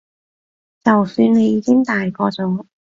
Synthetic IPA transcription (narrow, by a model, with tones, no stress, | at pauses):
t͡sɐ˨wsyː˧nne˨˧jiː˨˧kɪ˥ŋt̪aː˨˩jkɔː˧t͡sʊ˨˥ŋ